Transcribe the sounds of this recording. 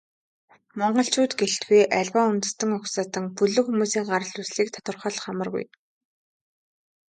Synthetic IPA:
mɔɴɢɞ̆ɬt͡ɕʰuːt̪ɡeɬt̪ɡujʔæɮwaːʊnt̪̆st̪ə̆ŋʊksaːt̪ɘ̆ŋpɵɮɵ̆kxumuːsiːŋɢaɾə̆ɮusɮiːk̚t̪ʰḁt̪wə̆rχɞ̆ɮχamə̆rɣṵj

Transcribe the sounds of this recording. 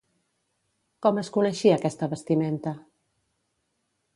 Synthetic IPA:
kɔməskunəʃiaːkɛst̪əβəst̪iment̪ə

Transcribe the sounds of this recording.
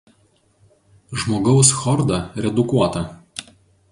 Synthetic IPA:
ʒmoːɡɐʊsxɔɾd̪ɐɾʲɛd̪ʊkuɔt̪ɐ

